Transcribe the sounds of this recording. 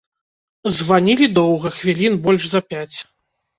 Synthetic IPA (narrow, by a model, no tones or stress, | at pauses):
zvanʲilʲid̪ɔwɣɐxvʲilʲinbɔlʲʐzɐpʲat͡sʲ